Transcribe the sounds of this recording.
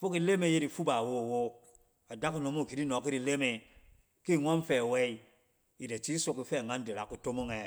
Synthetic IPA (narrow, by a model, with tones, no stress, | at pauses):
fu˦ki˨le˦me˨je˦ɾi˨fu˦ba˨wo˦˨wo˦ | a˨da˦kno˨mo˦˨ki˨ɾi˦no˨ki˦ɾi˨le˦me˨ | ki˦˨ŋo˦nfɛ˨we˦i˦ | i˨de˨t͡ʃi˦su˨ki˨fɛ˦˨ŋa˦nde˨la˨ku˦to˦mo˦ŋe˨